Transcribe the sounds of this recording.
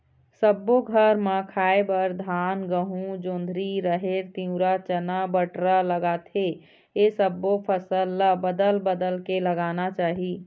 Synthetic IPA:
səbːoɡʱəɾmə̃kʰaːebəɾd̪ʱaːnɡəɦũd͡ʒõnd̪ʱɾiɾəɦeɾt̪ĩũɾat͡ʃənabəʈɾaləɡat̪ʰe | esəbːopʰəsəlːabəd̪əlbəd̪əlkeləɡanat͡ʃaːɦi

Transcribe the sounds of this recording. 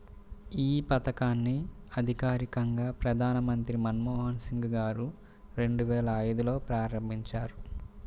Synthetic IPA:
iːpɐt̪ɐkaːnːiɐd̪ʱikaːɾikɐŋɡaːpɾɐd̪ʱaːnɐmɐnt̪ɾimɐnmɔːɦɐnsiŋɡɡaːɾu | ɾe̞ɳɖuʋɛːlɐːjd̪ulo̞ːpɾaːɾɐmbʱiɲt͡ʃaːɾu

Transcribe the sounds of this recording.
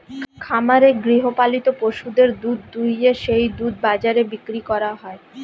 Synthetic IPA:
kʰamaɾeɡɾiɦopalit̪opoʃud̪eɾd̪ud̪ːujeʃejd̪ud̪̚bad͡ʑaɾebikɾikɔɾaɦɔe

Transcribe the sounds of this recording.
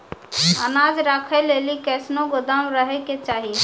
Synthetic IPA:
ənad͡ʒɾakʰɛlelikɛsnõɡod̪amɾəɦɛket͡ʃaɦi

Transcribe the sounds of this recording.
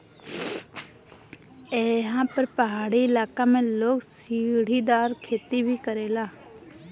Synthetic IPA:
eɦãːpəɾpəɦaːɽiɪlaːkaːmɛ̃ːloːksiːɽ̤iːd̪aːɾkʰeːt̪ibʱiːkəɾeːlaː

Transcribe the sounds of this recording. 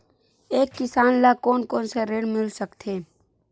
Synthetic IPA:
eːkːɪsaːnlakoːnkoːnseɾeːɽmɪlsəkt̪ʰeː

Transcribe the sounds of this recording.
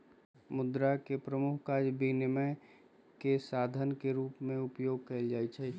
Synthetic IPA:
mʊd̪ɾakepɾəmukʰkaːd͡ʒbinɪmə | kesaːd̪ʱənkeɾuːpmẽʊpjoːɡ̚kɐld͡ʒaːit͡ʃʰɛ

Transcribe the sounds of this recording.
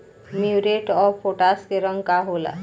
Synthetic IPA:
miwɾeʈɔfoʈaskeɾəŋkaɦola̰

